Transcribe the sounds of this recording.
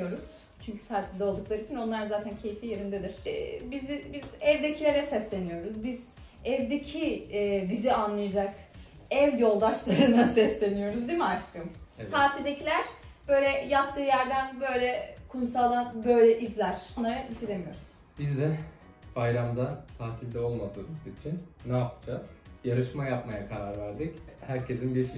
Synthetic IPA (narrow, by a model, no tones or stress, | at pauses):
jo̞ɾuz̥ | t͡ʃʰyɲcʰy̥t̪ʰaːt̪ʰilʲd̪ɛo̞lˠd̪uklˠaɾiːt͡ʃʰino̞nlˠaɾzaːt̪ʰæncʰe̞jifije̞ɾind̪ed̪iɾ̥bizibizɛvd̪e̞cʰilʲe̞ɾɛsɛslʲe̞nijo̞ɾuzbiz̥ | ɛvd̪e̞cʰibizianlˠajad͡ʒak | ɛvjo̞lˠd̪aʃlˠaɾɯnasɛslʲe̞nijo̞ɾuzd̪imiat͡ʃt̪ʰɯmt̪ʰaːt̪ʰilʲd̪e̞cʰilʲæɾ̥ | b̥ø̞jlʲɛjap̚t̪ʰːɯːjæɾd̪ænbø̞jlʲɛkʰumsalˠabø̞jlʲɛʔizlʲæɾ̥onˠaɾaiʃed̪emijo̞̰ɾuz̥ | b̥izd̪ɛ | b̥ajɾamd̪at̪ʰaːt̪ʰilʲd̪ɛo̞lˠmad̪ɯːmɯzit͡ʃʰinːaːpɯd͡ʒaz̥jaɾɯʃmajapmajakʰaɾaɾvæɾd̪ichæɾcʰe̞sinbiɾʃ